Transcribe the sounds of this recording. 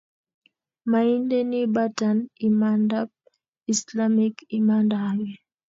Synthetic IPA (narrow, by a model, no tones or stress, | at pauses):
maindɛnibatanimandab̚ | islamikimandaawɛ